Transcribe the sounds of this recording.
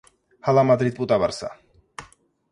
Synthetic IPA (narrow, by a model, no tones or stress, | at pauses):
halamad̪ɾid̪̚pʼut̪ʼavaɾsa̰